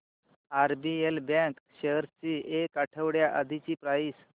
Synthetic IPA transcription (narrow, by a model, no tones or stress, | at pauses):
aɾbielbɛ̃kɕeɦɾt͡ɕiʔekaʈʰəʋɽjaʔə̰d̪ʱit͡ɕiːpɾais